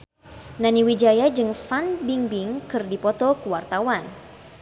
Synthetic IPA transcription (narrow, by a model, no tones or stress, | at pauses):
naniwid͡ʒajad͡ʒɨŋfanbiŋbɪŋkɨrdipɔt̪ɔkəwart̪awan